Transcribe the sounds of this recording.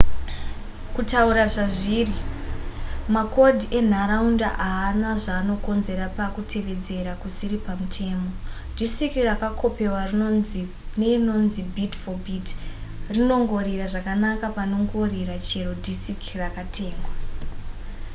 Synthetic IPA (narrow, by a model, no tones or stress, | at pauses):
kutauɾaʐaʐiːri | mako̞dʱiʔe̞n̤aɾaunda̰ʔaːnaʐaːno̞ko̞nze̞ɾapakutʰe̞ʋe̞d͡ze̞ɾakusiɾipamutʰe̞ːmo̞ | dʱisikirakakʰo̞pe̞war | neno̞nzibʱitfobitrino̞ŋɡo̞ɾiɾaʐakanakapano̞ŋɡo̞riɾat͡ʃe̞ɾo̞dʱisikʰirakatʰe̞ːŋɡwa